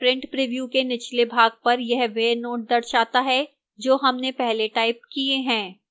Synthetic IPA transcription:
pɾɪ̃ɳʈpɾiʋjuːkenɪt͡ʃlebʱaːɡ̚pɐɾjɛɦʋeːɾnoːʈ̚d̪ɐɾʃaːt̪aɦɛ | d͡ʒoːɦɐmnepɛɦleʈaːɪp̚kieɦɛ̃ː

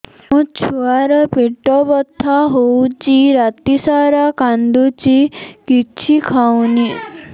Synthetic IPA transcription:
ũt͡ʃʰuaɾɔpiʈɔbɔt̪ʰːaɦowt͡ʃiɾat̪isaɾakand̪ut͡ʃikit͡ʃʰikʰawni

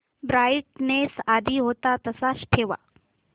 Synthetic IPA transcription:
bɾaːjʈ̚nesaːd̪ʱiɦoːt̪at̪ɐsaʃʈʰeːʋa̰

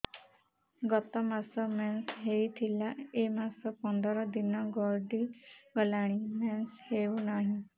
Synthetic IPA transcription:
ɡɔt̪ɔmasɔmensɦejt̪ʰilaemasɔpɔnd̪ɔɾɔd̪inɔɡɔlɖiɡɔlaɽ̃imensheunaɦĩ

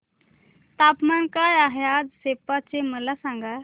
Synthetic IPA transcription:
t̪aːpmankaːjaːɦeaːd̪seːpat͡ɕeməlasãːŋɡa

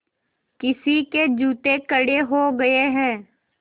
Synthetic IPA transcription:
kɪsiked͡ʒuːt̪ekəɽeɦoɡɐeɦɛ̃ː

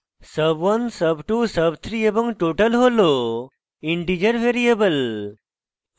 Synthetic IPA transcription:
səbʋɐnsəbʈusəbt̪ʰɾiebəŋʈoːʈəlɦolo | iɳʈid͡ʒəɾʋeɾijebəl

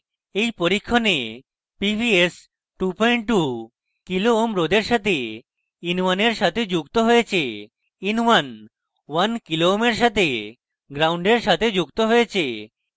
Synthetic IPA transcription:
ejpoɾikʰːone | pipies | ʈupɔjɳʈʈu | kiloomɾod̪eɾʃat̪ʰe | inwaneɾʃat̪ʰed͡ʑukt̪oɦojet͡ɕʰe | inwan | wankiloomeɾʃat̪ʰe | ɡɾawɳɖeɾʃat̪ʰed͡ʑukt̪oɦojet͡ɕʰe

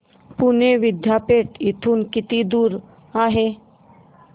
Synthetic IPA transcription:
puneʋɪd̪japeːʈɪt̪ʰuːnkɪt̪id̪uːɾ | aːɦe

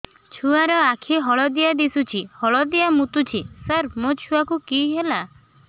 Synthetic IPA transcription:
t͡ʃʰuaɾɔakʰiɦɔɭɔd̪iad̪isut͡ʃʰihɔɭɔd̪iamut̪ut͡ʃʰisəɾmot͡ʃʰuakukiɦela

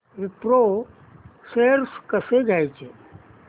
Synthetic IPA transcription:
ɾɪpɾo | seɾskəseɡajt͡ʃʰe

